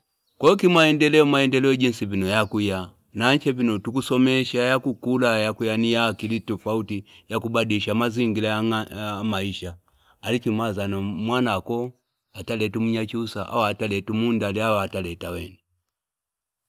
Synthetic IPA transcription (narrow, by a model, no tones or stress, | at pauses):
kɔkimaɛndɛlɛɔmaɛndɛlɛɔɟinsipinɔjakuja | naɲt͡ʃɛpinɔtukusɔmɛʃajakukulajakujanijakilitufautijakubadiʃamaziŋɡilaaamaiʃa | alikimazanɔmwanakɔ | atalɛtumuɲat͡ʃusa̰ʔa̰watalɛtumundaliawaatalɛtawɛni